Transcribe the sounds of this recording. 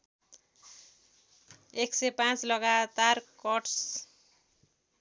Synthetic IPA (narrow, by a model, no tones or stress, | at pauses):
eksepãt͡slʌɡat̪arkʌʈs